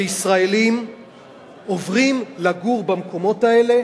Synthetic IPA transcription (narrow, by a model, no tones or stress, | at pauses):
isʁaelim | ovʁimlaɡuʁbamko̞mo̞tae̞le̞